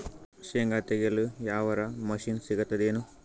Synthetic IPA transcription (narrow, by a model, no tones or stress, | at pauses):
ʃeŋɡaːt̪eɡelujaːʋɐɾɐmɐʃiːnsiɡɐt̪ːɐd̪eːnu